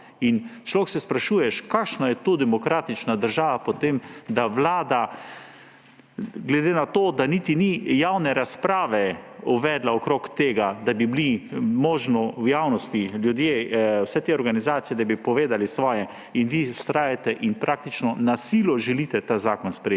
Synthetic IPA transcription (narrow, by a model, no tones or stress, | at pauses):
int͡ʃlɔksɛspɾaʃuːjɛʃkakʃnajɛt̪oːd̪ɛmɔkɾaːt̪it͡ʃnad̪əɾʒaːʋapɔt̪emd̪aʋlaːd̪a | ɡlɛd̪eːnat̪oːd̪anit̪inijawnɛɾaspɾaːʋɛuʋɛd̪laɔkɾokt̪eːɡad̪abiblimɔːʒnɔwjaːwnɔst̪iljud̪jeːwsɛt̪eɔɾɡanizaːt̪sijɛd̪abipɔʋeːd̪alisʋɔːjɛ | inʋiʊst̪ɾaːjat̪ɛʔinpɾʔak̚t̪it͡ʃnɔnasiːlɔʒɛliːt̪ɛt̪azaːkɔnspɾɛ